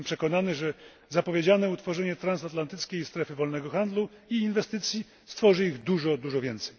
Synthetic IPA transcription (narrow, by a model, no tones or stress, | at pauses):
mpʂɛkɔnanɘʐɛ | zapɔvʲjed͡ʑanɛut̪fɔʐɛɲɛt̪ɾansat̪lant̪ɘt̪skʲejist̪ɾɛfɘvɔlnɛɡɔxand̪lu | iːnvɛst̪ɘt̪sʲji | st̪fɔʐɘiɣd̪uʐɔd̪uʐɔvʲjɛnt̪sɛj